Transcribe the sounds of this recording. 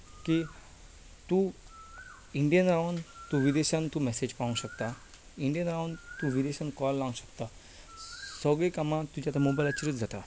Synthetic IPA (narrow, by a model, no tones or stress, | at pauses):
ki | t̪u | iɳɖijənɾawɳt̪uʋid̪eɕãnt̪umɛsed͡ʑpaʋũɕəkt̪a | iɳɖijənɾawɳt̪uʋid̪eɕãnkɔlːãŋɡɕəkt̪a | səɡɭekamãt̪ud͡ʑat̪amobajlat͡ɕəɾət̪d͡zʱat̪a